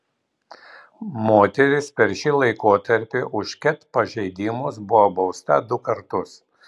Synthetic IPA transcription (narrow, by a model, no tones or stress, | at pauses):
moːt̪ʲɛɾʲɪspʲɛɾʲʃʲiːlˠɐɪkoːt̪ɐɾʲpʲɪʔʊʃkʲɛt̪pɐʒʲɛɪd̪ʲɪmʊsbʊʋobɒʊst̪ɐd̪ʊkɐɾt̪ʊs